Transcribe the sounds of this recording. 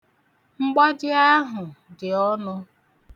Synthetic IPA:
ŋ͡m̩˦ɡ͡ba˦d͡ʒɪ˦a˦ɦʊ˨dɪ˨ɔ˦nʊ˦

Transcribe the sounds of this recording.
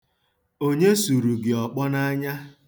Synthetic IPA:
o˦ɲe˦su˨ɾu˨ɡɪ˨ɔ˨k͡pɔ˦na˦a˦ɲa˦

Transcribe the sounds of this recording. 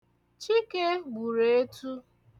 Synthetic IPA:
t͡ʃi˦ke˦ɡ͡bu˨ɾe˨e˦tu˦

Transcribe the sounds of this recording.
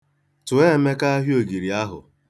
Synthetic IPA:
tʊ˨e˦me˦ka˦a˦ɦjo˨ɡi˨ɾi˨a˦ɦʊ̰˨

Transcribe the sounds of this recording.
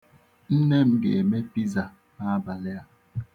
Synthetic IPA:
n̩˦ne˦˨m̩˦ɡḛ˨me˦pi˦za˨ | a˦˨ba˨le˦a˨

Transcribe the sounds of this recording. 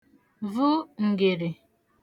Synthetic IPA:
vʊ˦ŋ̩˨ɡe˨ɾe˨

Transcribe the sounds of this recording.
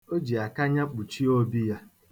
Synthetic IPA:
o˦d͡ʒi˨a˨ka˦ɲa˦k͡pu˨t͡ʃi˦o˦bi˦ja˦

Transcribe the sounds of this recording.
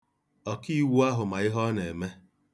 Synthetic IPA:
ɔ˨ki˦˨wu˦a˦ɦʊ˨ma˨ɪ˦ɦɔ˦ne˨me˦

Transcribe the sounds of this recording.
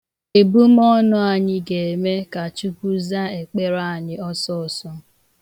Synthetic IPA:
e˨bu˦m˦ɔ˦nʊ˦a˨ɲɪ˦ɡe˨e˨me˦ka˨t͡ʃu˦ku˦za˦e˨k͡pe˦ɾa˦˨a˨ɲɪ˦ɔ˦sɔ˦˨sɔ˦

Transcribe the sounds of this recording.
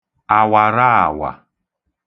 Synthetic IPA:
a˨wa˨ɾa˦a̰˨wa̰˨

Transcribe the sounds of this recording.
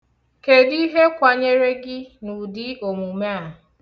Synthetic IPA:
ke˨di˦ɦe˦kʷa˨ɲe˦ɾe˦ɡɪ˦nu˨dɪ˦o˨mu˨me˦a˨

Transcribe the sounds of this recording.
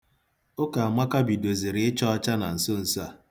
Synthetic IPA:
ʊ˦ka˨a˨ma˦ka˦bi˨do˨zi˨ɾɪ˨˦ɪ˦t͡ʃɔ˦ɔ˦t͡ʃa˦na̰˨n̩˨sʊ˦n̩˨sʊ˦a˨

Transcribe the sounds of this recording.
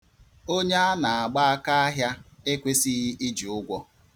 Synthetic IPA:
o˦ɲe˦a˦na˨a˨ɡ͡ba˦a˦ka˦a˦ɦja˦e˦kʷe˦si˦i˦d͡ʒi˨ʊ˦ɡʷɔ˦

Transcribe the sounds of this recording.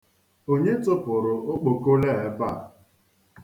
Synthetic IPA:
o˦ɲe˦tʊ˦pʊ˨ɾʊ˨ʊ˦k͡po˨ko˦le˦˨e˦ba˦˨

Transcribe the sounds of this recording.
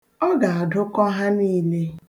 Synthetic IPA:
ɔ˦ɡa˨a˨dʊ˦kɔ˦ɦa˦niː˦le˦

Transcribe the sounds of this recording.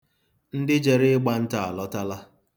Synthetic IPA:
n̩˦dɪ˦d͡ʒe˨ɾɪ˦ɪ˦ɡ͡ba˦n̩˦ta˨a˨lɔ˦ta˦la˦

